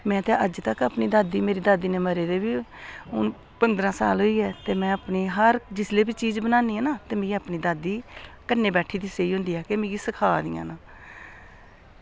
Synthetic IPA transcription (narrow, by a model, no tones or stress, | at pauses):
mɛ̃ːt̪eːʔəd͡ʒt̪əkəpniːd̪aːd̪iːmeːɾiːd̪aːd̪iːneːməɾeːd̪eːbiːʊn | pənd̪ɾãːsa̰ːlɦoiːɛːt̪eːmɛ̃ːəpniːɦəɾd͡ʒɪsleːbiːt͡ʃiːd͡ʒbənãːniːɛːnaːt̪eːmẽːɡəpniːd̪aːd̪iːkənːeːbɛːʈʰiːd̪ɪseiːɦʊ̃ːnd̪iːɦɛːkemẽːɡiːsəkʰaːd̪ḭːã̰ːnãː